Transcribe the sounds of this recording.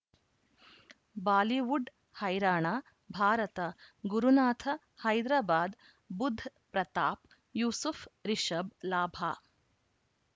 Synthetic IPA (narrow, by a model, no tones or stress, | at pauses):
baːliʋuɖ | hɐjɾaːɳaː | bʱaːɾɐt̪ɐɡuɾunaːt̪ʰɐ | hɐjd̪ɾaːbaːd̪ | bud̪ʱːpɾɐt̪aːp | juːsufʰɾiʃɐblaːbʱaː